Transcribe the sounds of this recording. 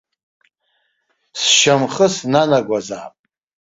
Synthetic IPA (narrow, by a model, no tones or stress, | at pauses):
sʃamχəsnanaɡʷaza̰ːpʼ